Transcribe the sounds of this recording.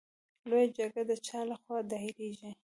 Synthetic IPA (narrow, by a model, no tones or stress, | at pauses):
lojad͡ʒaɾɡad̪ət͡ʃɑlaxwɑd̪ɑiɾeʒi